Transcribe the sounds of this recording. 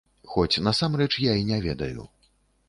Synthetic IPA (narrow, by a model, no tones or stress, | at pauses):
xɔt͡sʲnɐsamrɛt͡ʂjainʲɛvʲɛd̪ɐjṵ